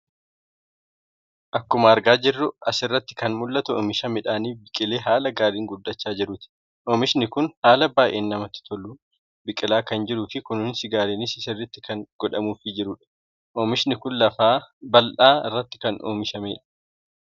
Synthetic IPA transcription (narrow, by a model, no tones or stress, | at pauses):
ʔɐkːʊmɐːɾɡaːd͡ʒɪrːʊɐsɪrːɐt̪ːɪ̥kɐnmʊlːɐt̪ʊɔ̰ːmɪʃɐmɛᶑaːniːbɪkʼɪle̞ːɦaːlɐɡaːɾiːŋɡʊd̪ːɐt͡ʃːaːd͡ʒɪɾʊt̪ɪ̥ | ʔɔːmɪʃnɪkʊnhaːlɐbaːʔʔḛːnːɐmɐt̪ːɪ̥t̪ʰɔlːuː | bɪkʼɪlaːkɐnd͡ʒɪɾuːfɪkʊnʊːnsɪɡaːleːnɪsɪsɐrːɪt̪ːɪkɐŋɡ̥ɔᶑɐmuːfɪd͡ʒɪɾʊᶑɐ̥ | ʔomɪʃnɪkʊnlɐfaːbɐlʔaːɪrːɐt̪ːɪ̥kɐnʔo̰ːmɪʃɐmeːᶑɐ̥